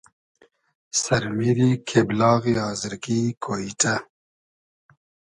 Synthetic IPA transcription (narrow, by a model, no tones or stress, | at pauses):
sɐɾmiɾikʰeblɑːɣiɑːzəɾkikʰoita